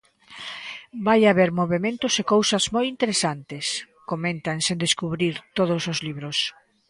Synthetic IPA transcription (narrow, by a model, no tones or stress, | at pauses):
bajaβeɾmoβemẽnt̪ʊsekowsɐzmojint̪eɾesant̪es | komẽnt̪aŋsẽnd̪eskuβɾiɾt̪oðʊsozliβɾʊs